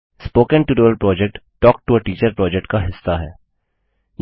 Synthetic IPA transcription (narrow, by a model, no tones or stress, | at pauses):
spoːkə̃nʈuɾoːəlpɾɔːd͡ʒɛk̚ʈʈːɔːk̚ʈuəʈiːt͡ʃəɾpɾɔːd͡ʒɛk̚ʈkaɦɪsːaɦɛ̰ː | j